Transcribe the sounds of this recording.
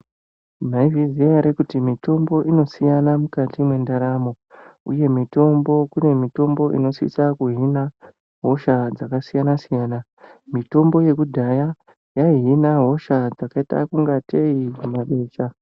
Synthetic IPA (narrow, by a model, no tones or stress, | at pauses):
m̤aivizeaɾekutimito̞mbo̞ʔino̞sijanamukatimwe̞ndaɾamo̞ | uje̞mito̞mbo̞kune̞mito̞mbo̞ʔḭno̞sḭsakuɦina | ɦo̞ʃad͡zakasijanasijaːna | mito̞mbo̞je̞kudʱaja | jaiɦinaɦo̞ʃad͡zakaita̰kuŋɡatʰe̞iumaɓe̞ːʃa